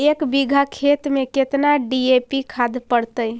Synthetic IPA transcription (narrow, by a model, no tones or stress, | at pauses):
ekbiɡʱakʰet̪meket̪naɖiepikʰad̪ʱpəɽt̪əj